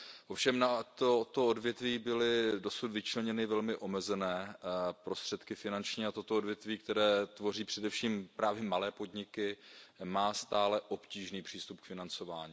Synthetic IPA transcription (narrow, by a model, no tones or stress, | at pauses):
ʔo̞fʃɛmnat̪ot̪oodvjɛt̪viːbɪlɪdosut̪vɪt͡ʃlɛɲɛnɪvɛlmɪʔo̞mɛzɛnɛːpɾo̞st̪r̥ɛt̪kɪfɪnant͡ʃɲiːat̪o̞t̪oodvjɛt̪viːk̚t̪ɛɾɛːt̪vo̞riːpr̥ɛdɛfʃiːmpɾaːvjɛmalɛːpo̞dɲɪkɪmaːst̪aːlɛʔo̞pciːʒniːpr̝̥iːst̪up̚kfɪnant͡so̞vaːɲiː